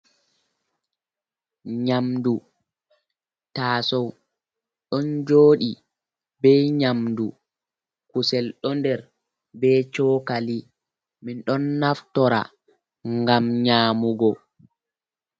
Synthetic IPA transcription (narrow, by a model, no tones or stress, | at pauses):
ɲamdu | taːsɔw | ɗɔnd͡ʒoːɗi | bɛjɲamndu | kusɛlɗɔndɛɾ | bɛt͡ʃɔːkali | minɗɔnːaftɔɾa̰ | ŋɡamɲaːmuɡɔ